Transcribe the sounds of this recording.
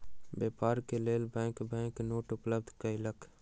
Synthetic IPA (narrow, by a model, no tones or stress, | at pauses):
bjepaːɾkeleːlbɛ̃kbɛ̃ːknoːʈʊpləb̚d̪ʱkəilək